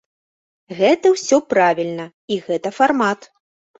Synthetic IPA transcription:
ɣɛt̪ɐwsʲɔpɾavʲilʲnɐ | iɣɛt̪ɐfarmat̪

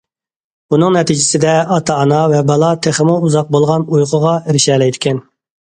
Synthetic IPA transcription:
bunɨŋnɛt̪ʰid͡ʒɪsɪd̪ɛɑt̪ʰɑːnɑvɛbɑlˠɑt̪ʰeχəmuuzɑq̚bolˠʁɑnujʁʰʊʁɑɾɪʃɛlɛjt̪ʰɪ̥kʲʰɛn

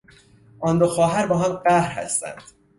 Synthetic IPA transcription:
ʔɒːnd̪oxɒːɦæɾbɒːɦæmɢæhɾhæ̰st̪æ̰nd̪̥

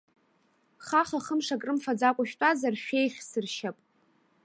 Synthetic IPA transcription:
χaχaχəmʂakʼrɨmfad͡zakʷʼaʃᶣtʷʼazarʃᶣejχʲsɨrʃapʼ

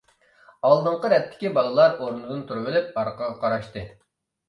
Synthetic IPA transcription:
ɑlˠd̪ɨɴqəɾɛt̪ʰːɪ̥kʲibɑlˠəlˠɑɾoɾnɨd̪ɨnt̪ʰuɾɨbɪlɪp̚ɑɾqʰəʁɑqʰɑɾɑʃt̪ɨ

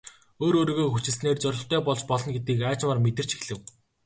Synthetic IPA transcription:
oːɾoːɾiːɣoːxut͡ɕɪ̆ɮsneːrt͡sœɾʲɪ̆ɬt̪œːpɔɮt͡ɕpɔɮɞ̆nɡet̪̚ɡiːkaːt͡ɕmaːrmet̪ɘ̆r̥t͡ɕixɮɘ̆w

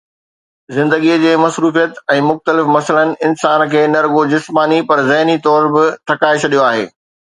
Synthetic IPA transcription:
zɪ̃nd̪əɡid͡ʑeːmɐsɾuːfijət̪ɛ̃ːmʊxt̪əlɪfmɐsələnɪ̆ɪnsaːnkʰeːnɐɾɡod͡ʑɪsmaːnipɐɾzɐɦnit̪ɔːɾbɪt̪ʰɐkaːet͡ɕʰɐɗijoaːɦḛː

